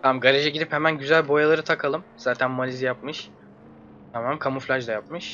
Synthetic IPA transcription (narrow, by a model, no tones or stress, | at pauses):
t̪ʰamɡaɾʲeʒɛɟid̪iphemænɟyzælʲbo̞jalˠaɾɯt̪ʰakʰalˠɯmz̥aːt̪ʰænmalʲizjap̚mɯʃ | t̪ʰamammkʰamuflʲaʒd̪ajapmɯʃ